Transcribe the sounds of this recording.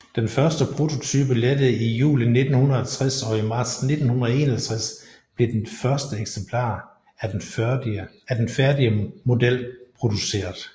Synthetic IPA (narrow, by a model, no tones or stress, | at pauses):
d̥enfɶɐsd̥əpʰʁo̝t͡sʰo̝t͡sʰy̰ːb̥əled̥əð̩ˠijṵːline̝d̥n̩hunɐð̩ˠɒt͡sʰʁasɒ̽imɑ̈ːd̥sne̝d̥n̩hunɐð̩ˠe̝̰ːnɒhælt͡sʰʁas | b̥le̝d̥enfɶɐsd̥əeɡ̥sempʰl̥ɑ̰̈ː | æd̥enfæɐdiəmo̝d̥el̰pʰʁo̝d̥use̝̰ːɐðˠ